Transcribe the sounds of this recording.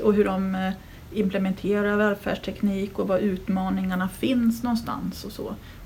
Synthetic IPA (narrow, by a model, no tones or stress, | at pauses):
ɔɦɵɖɔm | ɪmplɛmɛnt̪ʰeːɾaɾvɛːlfæ̰ːɖʂʈʰɛkniːkɔvaʔʉ̟ːt̪mɑːnɪŋaɳafɪnsnɔnst̪a̰nsɔsɔ̰ː